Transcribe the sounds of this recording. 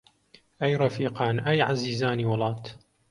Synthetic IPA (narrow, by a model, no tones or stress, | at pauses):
ʔajɾˤɑfiːqɑːnʔajʕaziːzaːniwɑlˤɑːt̪